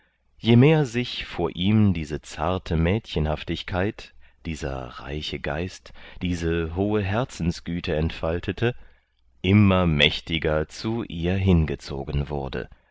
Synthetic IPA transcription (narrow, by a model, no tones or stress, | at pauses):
jeːmeːɐzɪçfoːɐʔiːmdiːzət͡sa̰ɐtʰəmɛːtçənhaftɪçkʰaɪtd̥iːzɐ̰ʁa̰ɪçəɡa̰ɪstd̥iːzəɦoːəɦɛɐt͡sn̩sɡ̥yːtʰəɛntfaltʰətʰə | ʔɪmɐmɛçtɪɡɐt͡suʔiːɐɦɪnɡət͡so̰ːɡənvʊ̰ɐdə̰